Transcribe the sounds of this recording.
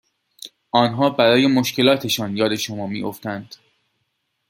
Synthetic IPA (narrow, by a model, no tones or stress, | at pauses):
ʔɒːnɦɒːbæɾɒːje̞mo̞ʃcʰe̞lɒːt̪ʰe̞ʃɒːnjɒːd̪e̞ʃomɒːmḭːʔoft̪ænd̪̥